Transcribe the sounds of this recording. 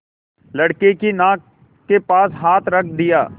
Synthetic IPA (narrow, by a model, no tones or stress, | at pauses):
ləɽkeːkinãː | keːpaːsɦaːt̪ʰɾək̚ʰd̪ɪjaː